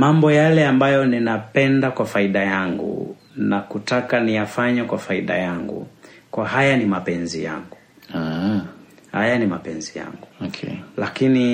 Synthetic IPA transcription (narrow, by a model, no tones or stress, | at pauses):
mambɔjalɛambajɔninapɛndakwafaiɗajaŋɡṵ | nakutakanijafaɲɛkwafaiɗa̰jaŋɡṵkwaɦajanimapɛnzḭja̰ŋɡu | hajanimapɛnzija̰ŋɡuɔkʰɛlakini